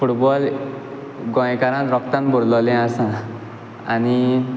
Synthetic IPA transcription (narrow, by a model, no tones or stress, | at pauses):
fuʈbɔl | ɡɔ̃jkaɾãt̪ɾɔk̚t̪ãnbɔɾlɔlɛ̃asã | añi